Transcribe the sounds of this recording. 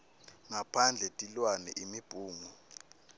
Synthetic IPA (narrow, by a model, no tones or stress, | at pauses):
ŋapʰand͡ɮʱɛtʼilwanɛ̰ʔimib̥ʱuːŋu